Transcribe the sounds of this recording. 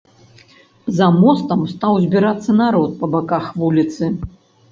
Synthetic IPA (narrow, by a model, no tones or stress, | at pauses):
zɐmɔst̪ɐmst̪awzʲbʲiɾat̪sːɐnaɾɔt̪̚pɐbakaxvulʲit̪sɨ